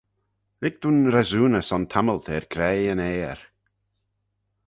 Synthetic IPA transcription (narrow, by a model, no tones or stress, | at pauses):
vɪɡ̚d̪̥unɾɛzuːnəsɔnt̪ʰaməlˠt̪ʰeːɹɡʰɾɛjəneːɹ